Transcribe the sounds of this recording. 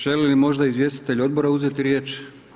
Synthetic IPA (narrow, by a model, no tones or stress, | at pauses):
ʒ̥elilimo̞ʒd̪aizʋje̞st̪i̥t̪e̞ʎo̞d̪̚bo̞ɾauzet̪iɾje̞ːt͡ʃ